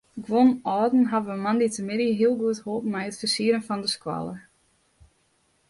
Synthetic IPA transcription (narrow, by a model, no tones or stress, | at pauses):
ɡwonɔːdn̩ɦavəəmanditəmɪdiɦiəlˠɡuəthoːpmɛjətfəsiəɾənfɔndəskwa̰lˠə̰